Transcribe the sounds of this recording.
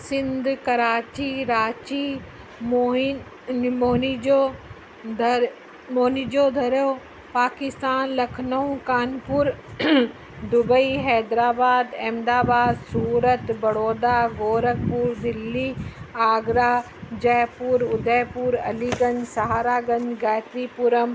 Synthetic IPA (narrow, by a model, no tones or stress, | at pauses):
sɪ̃nd̪ʱkɐɾaːt͡ɕiɾaːt͡ʃi | mo | moːnio | moːnid͡ʑoːd̪ʱɐɾoː | paːkɪst̪aːnlɐkʰnəũkaːnpʊɾ | d̪ʊbəiɦɛːd̪ɾaːbaːd̪ɛ̃ːmd̪aːbaːd̪suːɾət̪bɐɽoːd̪aɡoːɾək̚puːɾd̪ɪlːiaːɡɾaː | d͡ʑɛːpuːɾʊd̪ʱɛːpuːɾɐ̰liɡɐ̃nd͡ʒsɐɦaːɾaːɡɐ̃nd͡ʒɡaːt̪ɾipuɾəm